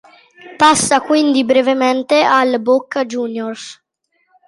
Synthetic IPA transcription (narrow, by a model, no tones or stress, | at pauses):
pasːakwind̪ibɾevemɛnt̪ealbokːd͡ʒuːnjors